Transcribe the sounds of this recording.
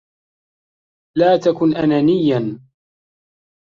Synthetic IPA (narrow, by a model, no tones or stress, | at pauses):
laːt̪akʊnʔananɪjːan